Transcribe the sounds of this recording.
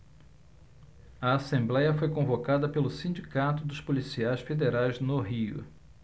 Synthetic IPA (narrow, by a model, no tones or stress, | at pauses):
ɐasẽmblɛjɐfojkõvokad̪ɐpelʊsĩd͡ʒikat̪ʊd̪ʊʃpolisiajsfed̪eɾajznʊɦiʊ̰